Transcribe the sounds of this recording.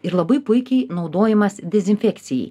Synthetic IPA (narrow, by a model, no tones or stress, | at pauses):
ɪɾlˠɐbɐɪpʊɪkʲɛɪnɒʊd̪oːjɛmɐsd̪ʲɛzʲɪnʲfʲɛkʲt̪sʲɪjɛ̰ɪ